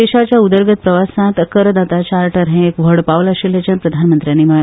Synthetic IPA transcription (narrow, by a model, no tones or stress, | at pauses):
eɕat͡ɕjaud̪əɾɡət̪̚pɾəʋasãt̪əkəɾəd̪at̪at͡ɕaɾʈəɾɦẽekʋəɽpaʋləɕelat͡ɕanpɾəd̪ʱanmənt̪ɾjanːiːmə